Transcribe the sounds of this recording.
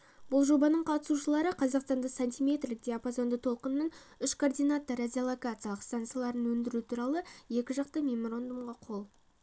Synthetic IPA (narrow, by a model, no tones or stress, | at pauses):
b̥ʊlˠʒo̞bɑnəɴqʰɑt̪ə̥suʃəlˠɑɾəqʰɑzɑqst̪ɑnd̪ɑsanʲt̪ʲijmʲe̞t̪rlɪk̚d̪eapozo̞nd̪ət̪ʰo̞lˠqənmɪnʏʃkʰord̪ijnat̪ːoɾad̪ʲiolˠokat̪siaɑlˠəqst̪ant̪sɨjalˠɑɾənwɵnd̪ɪɾut̪ʰuɾɑlˠəje̞kʲɪʒɑq̚t̪əmʲemoɾo̞nd̪umʁɑqʰo̞lˠ